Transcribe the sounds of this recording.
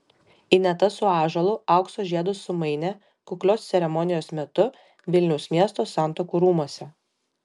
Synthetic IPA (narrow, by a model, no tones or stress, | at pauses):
ɪnʲɛt̪ɐsʊɑːʒɐlˠʊɐˑʊksoːʒʲiɛd̪ʊsʊmɐɪnʲɛ | kʊklʲoːssʲɛɾʲɛmɔnʲɪjoːsmʲɛt̪ʊ | ʋʲɪlʲnʲɛʊsmʲiɛst̪oːsɑˑnt̪oːkuːɾuːmuɔsʲɛ